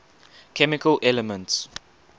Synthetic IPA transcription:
kʰɛmɪkəlʔɛləmə̃nts

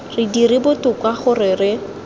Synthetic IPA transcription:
rɪdirɪbʊtʊkwaχʊrɪrɪ

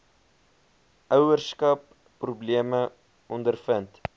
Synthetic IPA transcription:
ʔœwərskɐpː | rubliəmə | ɔndərfənt

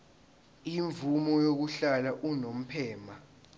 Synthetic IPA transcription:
iɱvumɔjok̬uɬalaʔunom̩pʰɛːma

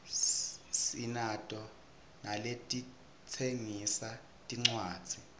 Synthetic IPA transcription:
sinatʼɔ | naletʼi | t͡sʰeŋisa | tʼiŋ͡ǀwḁːz̥ʱi

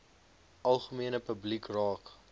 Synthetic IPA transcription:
ʔɐlˠχəmiənəpəblikrɑːk

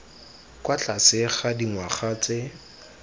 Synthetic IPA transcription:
kʼwat͡ɬʼasɪχadiŋwaχat͡se

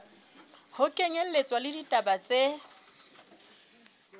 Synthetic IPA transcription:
hʊkʼeŋel̩let͡sʼwalɪditʼabat͡sʼe

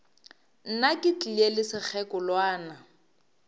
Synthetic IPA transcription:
n̩nakʼɪt͡ɬʼielɪsɪk͡xʰɛkʊlwaːna

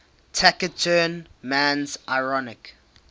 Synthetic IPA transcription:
tʰakətʰəːnmæ̃nzʔaɪɹɔnɪk

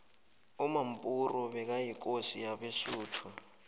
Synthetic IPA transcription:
umam̩pʼurɔβɛk̬ajik̬osijaβeʃuːtʰu

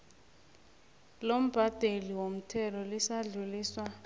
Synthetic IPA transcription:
lom̩b̥ʱad̥ʱeliwom̩tʰɛlɔlisaɮuliːswa

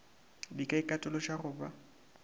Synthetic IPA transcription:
dikʼaikʼatʼʊlɔʃarʊːba

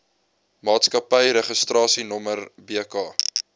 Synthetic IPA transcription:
mɑːtskɐpəjɾɛχəstɾɑːsinɔmərbiəkɑː

